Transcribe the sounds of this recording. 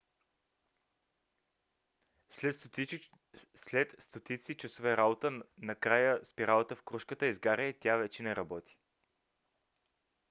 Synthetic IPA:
ɛ | slɛt̪st̪ot̪it̪sit͡ʃɐsovɛɾabot̪ənɐkɾajəspiɾalˠət̪əfkɾuʃkət̪əizɡaɾɛt̪ʲavɛt͡ʃɛnɛɾɐbɔt̪i̥

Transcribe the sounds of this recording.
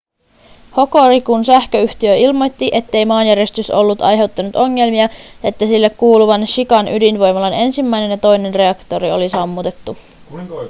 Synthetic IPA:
ho̞ko̞ɾikunsæhkøyht̪iøilmo̞jt̪ːiʔe̞t̪ːe̞jmɑːnjæɾe̞st̪yso̞̰lːut̪ɑ̰jɦe̞wt̪ːɑnut̪o̞ŋːe̞lmiɑjɑet̪ːæsilːe̞kːuːluʋɑnʃikɑnʔydinʋo̞jmɑlɑne̞nsimːæjne̞njɑt̪o̞jne̞nre̞ɑkt̪o̞ɾio̞̰lisɑmːut̪e̞t̪ːu

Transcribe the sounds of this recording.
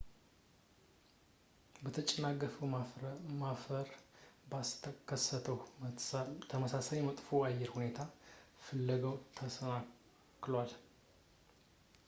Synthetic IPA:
bət̪ʰət͡ʃʼɛnaɡəfə | mafəɾbakʰəsːət̪ʰəw | t̪ʰəməsasajmət̪ʼfoajːɛɾhune̞t̪ʰafɨlːəɡəwt̪ʰəəa | kːlwal

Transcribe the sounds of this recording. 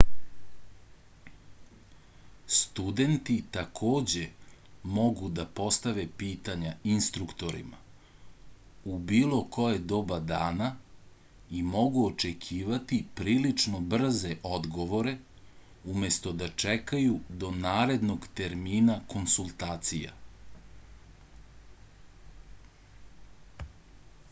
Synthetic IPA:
st̪ud̪e̞nt̪it̪akʰoːd͡ʑe̞mo̞ɡud̪apo̞st̪aʋe̞piːt̪aɲainst̪ɾukt̪o̞ɾḭma̰ | ubiːlo̞ko̞jed̪o̞bad̪aːna | imo̞ɡuot͡ʃekʰiːʋat̪ipɾiːlit͡ʂnobr̩zeʔo̞d̪ɡo̞ʋo̞ɾe̞ | ume̞st̪o̞d̪at͡ʂekajud̪o̞naːɾe̞d̪no̞ɡt̪eɾmiːnako̞nsulˠt̪aːt̪sija̰

